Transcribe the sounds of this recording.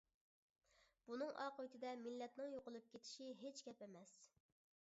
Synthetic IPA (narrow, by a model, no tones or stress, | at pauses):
b̥unɨŋʔɑqøt̪ʰɪd̪ɛmilːɛt̪nɨŋjoqəlˠɨp̚kʲʰet̪ʰɪ̥ʃiɦet͡ʃkʲɛpemɛs